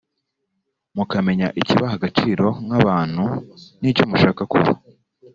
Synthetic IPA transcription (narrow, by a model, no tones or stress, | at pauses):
mukame̞ɲaʔiciβaɦaɡat͡ʃiːɾo̞ŋaβaːn̥hunit͡ʃomuʃaːkakṵβa̰